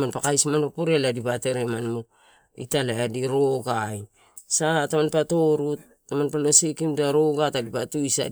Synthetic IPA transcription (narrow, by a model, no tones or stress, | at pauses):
manpakajsmanpapoɾeladipate̞ɾemanmu | ḭtalaadiɾo̞ɡaj | satamanpato̞ɾutːamanpalo̞sikimdaɾo̞ɡatadipatuisa̰